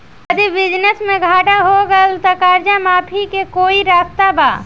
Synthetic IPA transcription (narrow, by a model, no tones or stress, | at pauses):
əd̪ibɪd͡ʒnəsmẽɡʱaːʈaɦoɡəlt̪əkaɾd͡ʒamaːpʰikekoːiɾaːst̪aba̰ː